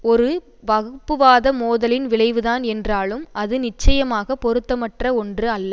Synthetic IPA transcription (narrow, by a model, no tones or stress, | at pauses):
ɔɾɯ | ʋɐɣɯpːɯʋaːðɐmoːðɐlɪnʋɪɭɐɪʋɯðaːnɛndraːɭɯmʔɐðɯnɪt͡ʃːɐjɐmaːɣɐpɔɾɯt̪ːɐmɐʈrɐɔndrɯɐlːɐ